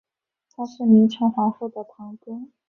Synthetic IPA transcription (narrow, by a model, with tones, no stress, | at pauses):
t̪ʰa˥ʂɻ̩˥˩mi˧˥ŋt͡ɕʰɛ˧˥nxwɑ˧˥ŋfu˥˩d̪ə˩t̪ʰɑ˧˥ŋk̪ʊ˥ŋ